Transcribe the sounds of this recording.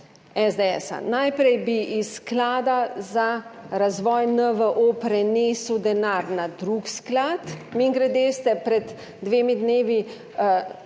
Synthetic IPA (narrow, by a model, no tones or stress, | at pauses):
ɛzd̪eɛsa̰najpɾɛjbiʔisklaːd̪azaɾazʋɔːjnəʋəʔopɾɛneːsud̪ɛnaːɾnad̪ɾuksklat̪miːŋɡɾɛd̪est̪ɛpɾɛd̪ː | ʋeːmid̪neːʋi